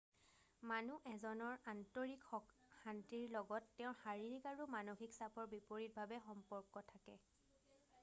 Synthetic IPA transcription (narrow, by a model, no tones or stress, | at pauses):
manuʔɛzɔnɔɹantoɹikɔ | xantiɹlɔɡɔtːɛʊ̃xaɹiɹikaɹumanoxiksapʰɔɹbipoɹit̚bʱabɛxɔmpɔɹkɔtʰakɛ